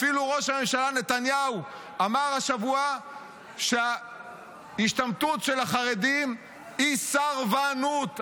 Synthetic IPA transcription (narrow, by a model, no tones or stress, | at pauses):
filuʁo̞ʃhame̞mʃalane̞t̪anjau | amaʁaʃavua | ʃea | iʃtamt̪utʃelaχaʁed̪im | isaʁvaːnut